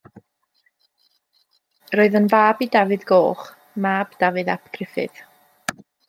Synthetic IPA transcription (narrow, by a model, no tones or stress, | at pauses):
roːɨðənvaːbidavɨðɡoːχ | maːbd̥avɨða̰pʰɡ̥rɪfɨ̰ð̥